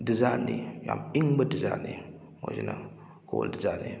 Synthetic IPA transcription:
dizanija̰miŋbədizani | mod͡ʒina | kowṵldizani

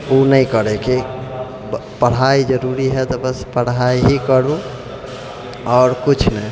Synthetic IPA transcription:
unəjkəɾeki | pəɽ̤aid͡ʒəɾuɾiɦɛt̪ɔbəspəɽ̤aiɦikəɾũ | ɔːɾkut͡ʃʰnɛ

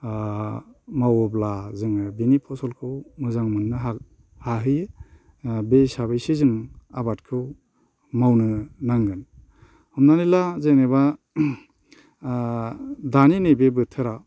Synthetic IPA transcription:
mawɔblazɯŋɯbinipʰɔsɔlkʰɯwmɯzaŋmɯnːɯɦa | haɦɯjɯ | besabajsizɯŋabatkʰɯw | mawnɯnaŋɡɯn | hɔmnanilazeneba | daninejbebɯtʰɯɾa

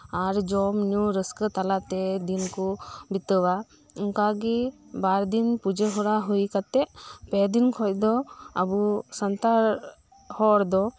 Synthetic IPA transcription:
aɾd͡ʒɔmnuɾəskət̪alat̪ɛd̪inkubit̪əwa | iŋkaɡɛbaɾd̪inpud͡ʒəɦɔɾaɦujkat̪ɛʔpɛd̪inkʰɔc̚d̪ɔabusənt̪aɾ | hɔɾd̪ɔ

